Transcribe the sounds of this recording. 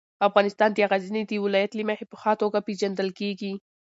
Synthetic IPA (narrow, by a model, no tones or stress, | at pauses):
afɣɑnɪst̪ɑnd̪əaɣazined̪əwɪlɑjat̪limahepə̥xɑt̪oɡaped͡ʒand̪əlkeɡi